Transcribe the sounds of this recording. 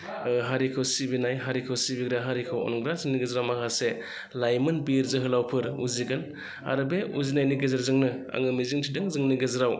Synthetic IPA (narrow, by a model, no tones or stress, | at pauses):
ɦaɾikʰɯwsibinajɦaɾikʰɯwsibiɡɾaɦaɾikʰɯwɔ̰nɡɾazɯŋniɡezɾawmakʰase | lajmɯnbiɾzɯɦɯlawpʰɯɾṵziɡɯn | a̰ɾɯbeuzinajniɡezaɾzɯŋnɯa̰ŋɯmiziŋtʰidɯŋzɯŋniɡezɾaw